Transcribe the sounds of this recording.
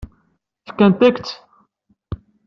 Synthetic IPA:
θkːænt̪ækt͡s̪

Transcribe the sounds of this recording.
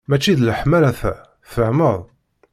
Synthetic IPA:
mæt͡ʃːiðləħmæɾæθæ̰ | θəʕməðˤ

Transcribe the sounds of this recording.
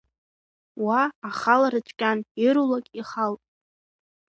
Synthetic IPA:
waːχalaɾɨt͡ʃʷʼkʲʼaniɾulakʲʼiχaltʼ

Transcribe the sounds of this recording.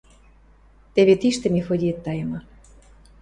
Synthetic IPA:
t̪eβet̪iʃt̪ĕmefod̪ʲiət̪ːɑjə̆mɤ

